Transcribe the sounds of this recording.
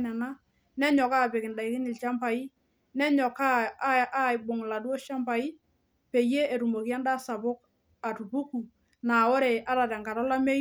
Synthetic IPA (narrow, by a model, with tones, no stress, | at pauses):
nɛ˨na˦ | nɛ˦ɲɔ˨ka˦˨pɪ˨kɪ˨nda˨i˨kɪ˦nɪ˨lt͡ʃa˦mpa˨i˦ | nɛ˦ɲɔ˨ka˦a˦ɪ˨bʊ˨ŋ˨la˨dwo˦ʃa˦mpa˨i˦ | pe˨je˦e˨ɾu˨mo˨ki˦ja˦nda˦sa˨bʊ˦k̚ | a˨tu˨bu˦ku˨ | naː˨o˦ɾe˨ʔa˦ɾa˨ɾɛ˨ŋɡa˨ɾɔ˦la˦me˦